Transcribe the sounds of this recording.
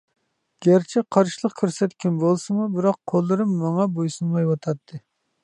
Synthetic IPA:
ɡ̥ʲæɾt͡ʃʰɛqʰɑɾʃilˠəqkʲʰøɾsɛt̪kʲʰinbolˠsɨmubɪɾɑqʰːolˠːɨɾɨmːɑŋɑbojsɨnmɑjwɑt̪ʰɑt̪ʰːɨ

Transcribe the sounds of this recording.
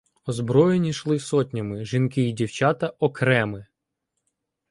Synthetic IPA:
ɔzbɾɔjenʲiʃlˠɪsɔtʲnʲɐmɪʒinkɪidʲiwt͡ʃɑt̪ɐʔɔkɾɛmɪ

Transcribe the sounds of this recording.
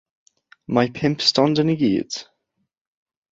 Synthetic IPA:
maɪpʰɪ̃mpstɔ̃ndə̃niɡḭːt

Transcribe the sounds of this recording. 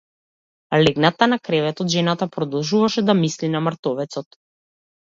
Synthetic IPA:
lɛɡnat̪anakɾɛvɛt̪ɔd̪ʒɛnat̪apɾɔd̪ɔlˠʒuvaʃɛd̪amislinamɾt̪ɔvɛt̪sɔt̪

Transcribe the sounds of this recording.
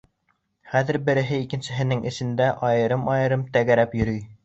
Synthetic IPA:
χæðɘ̆ɾbɘ̆ɾɘ̆ɦɘikɘ̆nsɘ̆ɦɘ̆nɘŋʔɘ̆ʃɘ̆nd̪æʔɒjɤ̆ɾɤmɒjɤ̆ɾɤmt̪æɡæɾæpjɵ̆ɾyj

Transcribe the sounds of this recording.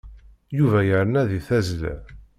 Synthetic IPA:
juvæjəɾənæðiθæzlæ̰

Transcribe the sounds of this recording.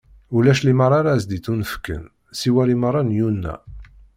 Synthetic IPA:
ulæʃliməɾˤaɾazd̪iθunəfkːə̰n | siwælimərˤːɑnjunːæ̰

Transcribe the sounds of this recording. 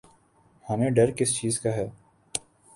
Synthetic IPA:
hɐmẽɖɐɾkɪst͡ʃiːzkaɦɛː

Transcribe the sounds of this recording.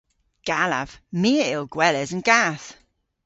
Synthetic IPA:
ɡ̥alə̰v̥miəɪlˠɡ̥wɛləzə̃nɡaθ

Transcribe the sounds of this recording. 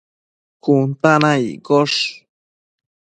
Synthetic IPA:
kʊnt̪anajkoʂ

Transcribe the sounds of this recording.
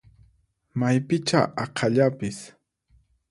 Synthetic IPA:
majpɪt͡ʃa̰ʔɑqʰɑʎapɪs

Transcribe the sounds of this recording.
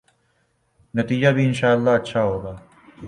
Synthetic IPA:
nɐt̪iːd͡ʒaːbʱiːɪnʃaːəlːaːɐtːʃʰaːɦoːɡaː

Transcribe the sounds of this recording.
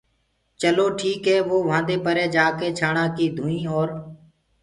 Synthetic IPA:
t͡ʃəloːʈʰiːkɦɛːʋoːʋãːnd̪eːpəɾeːd͡ʒaːkeːt͡ʃʰaːɳãːkiːd̪ʱũːĩːɔːɾ

